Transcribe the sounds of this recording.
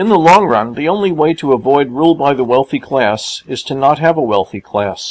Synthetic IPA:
ɨ̃nðəlɔ̃ŋɹʌ̃nðiõʊ̃nliweɪɾəəvɔɪd̚ɹulˠbaɪðəwɛlˠθikʰl̥æsɨz̥tʰɨnət̚ɦɨvəwɛlˠθikʰl̥æs

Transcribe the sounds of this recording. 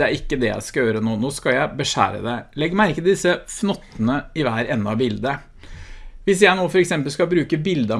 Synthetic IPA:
ɛæɾɪkːəd̪ɛjæ̰ɪskɑjøːɾənoːnoːskɑjæɪbəʂæ̰ːɾə̰d̪ɛlɛɡːmæɪɪkːəd̪ɪsəfnɔt̪ːənəɪʋæːɾɛnːɑbɪld̪ə | ʋɪs̬jæɪnoːfɔɾɛksɛmpəlskɑbɾʉːkəbɪld̪ə

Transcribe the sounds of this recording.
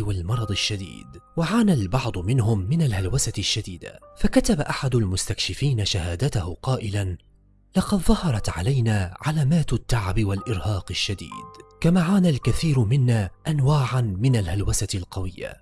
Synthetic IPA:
walmɑɾˤɑd̪ˤɪʃːad̪ḭːd̪waʕaːnalbɑʕd̪ˤʊmɪnhʊmːɪnalhalwasaʃːad̪iːd̪a̰fakat̪abaʔaħad̪ʊlmʊst̪akʃɪfiːnaʃahaːd̪at̪ahʊqɑːʔɪlan | lɑqɑd̪ðˤɑhɑɾˤɑt̪ʕa̰lajnaːʕalaːmaːt̪at̪ːaʕabɪwalʔɪɾhɑːqɪʃːad̪ḭːd̪kamaːʕaːnalkaθiːɾmɪnːaːʔanwaːʕanmɪnalhalwasalqɑwɪjːa̰

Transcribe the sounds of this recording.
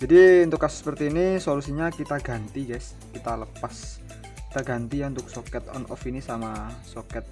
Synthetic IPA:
d͡ʒadiunt̪ʊkːasʊ̥sːə̥pərt̪iːnisolusiɲakit̪aɡa̤nt̪iɡajs | kit̪aləpas | kt̪aɡa̤nt̪ijaunt̪ʊk̚sokɛt̪ɔ̰nʔɔ̰finisamasokɛt̪̚

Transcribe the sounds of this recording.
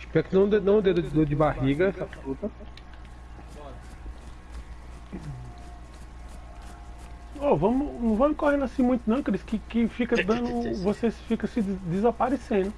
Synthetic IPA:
ɪʃpɛɾʊkɪnɐ̃w̃d̪enɐ̃w̃ʊd̪ed̪ʊd̪ed̪ʊd͡ʒɪbahiɡɐɛsɐfut̪ɐ | ovɐ̃mʊnɐ̃w̃vɐ̃mʊ̃kohẽnasĩmũj̃t̪ʊnɐ̃w̃kɐɾɪskɪkɪfikɐd̪ɐ̃d̪ʊvosesfikɐsɪd̪ɪzapaɾesẽnd̪ʊ

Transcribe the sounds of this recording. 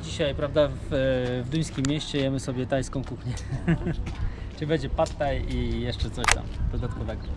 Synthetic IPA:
d͡ʑiɕajpɾavd̪avvd̪ujskʲimʲːjeɕt͡ɕɛjɛmɘsɔbʲjɛt̪ajskɔ̃w̃kuxɲɛ | ʈ͡ʂɨbɛd͡ʑɛpat̪ːajijɛʂt͡ʂɛt̪sɔɕt̪a̰md̪̥ɔd̪at̪kɔvɛɡɔ

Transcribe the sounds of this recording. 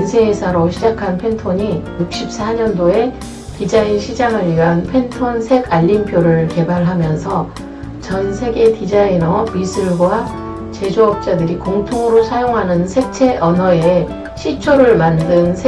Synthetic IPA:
nsʰeɦesʰaɾoɕʰid͡ʑakʰanpʰe̞ntʰoɲijuk̚ɕ͈ip̚s͈ʰaɲʌndoe̞ | tid͡ʑainɕʰid͡ʑaŋɯɾianpʰe̞ntʰonsʰe̞ɡaʎːimpʰjoɾɯɭke̞baɭɦamjʌnsʰʌ | t͡ɕʌnsʰe̞ɡe̞tid͡ʑainʌmisʰɯɭɡwa | t͡ɕe̞d͡ʑoʌp̚t͡ɕ͈adɯɾikoŋtʰoŋɯɾosʰajoŋɦanɯnsʰe̞k̚t͡ɕʰe̞ʔʌnʌe̞ | ɕʰit͡ɕʰoɾɯɭmandɯnsʰ

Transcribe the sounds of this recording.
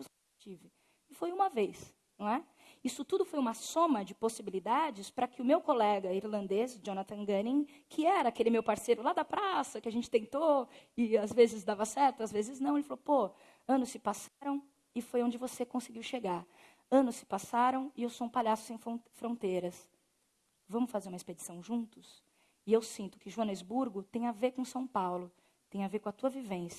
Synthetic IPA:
vosee | t͡ʃivɪ | ɪfojũmɐvejs | nũɛ | isʊt̪ud̪ʊfojũmɐsõmɐd͡ʒɪposibilid̪ad͡ʒɪspɾɐkɪʊmewkolɛɡɐiɾlɐ̃nd̪ezd͡ʒõnɐt̪ɐ̃ɡɐnĩŋ | kʰɪɛɾɐakelɪmewpaɾsejɾʊlad̪ɐpɾasɐkɪaʒẽnt͡ʃɪt̪ẽnt̪oɪazvezɪzd̪avɐsɛɾt̪ʊazvezɪznɐ̃w̃elɪfalopo | ɐ̃nʊssɪpasaɾɐ̃w̃ | ɪfojõd͡ʒɪvosekõsɪɡiwʃeɡaɾ | ɐ̃nʊssɪ̥pasaɾɐ̃w̃ɪewsoũpaʎasʊ̥sẽj̃fõfɾõnt̪ejɾɐs | vɐ̃mʊsfazeɾũmɐesped͡ʒisɐ̃w̃ʒũnt̪ʊ̥s | ɪewsĩnt̪ʊ̥kɪʒuɐ̃nezbuɾɡʊt̪ẽj̃aveɾkõsɐ̃w̃pawlʊ | t̪ẽj̃aveɾkõɐt̪uɐvivẽsɐ

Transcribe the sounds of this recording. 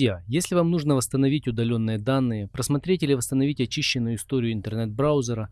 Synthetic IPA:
zʲjajesʲlʲɪvamnuʐnəvəst̪ənɐvʲitʲʊd̪ɐlʲo̞nːɨjəd̪anːɨjəpɾəsmɐt̪ɾʲetʲilʲɪvəst̪ənɐvʲitʲɐt͡ɕiɕːɪnːʊjʊɪst̪oɾʲɪjʊɪnt̪ərnɛt̪̚bɾaʊzʲəɾə

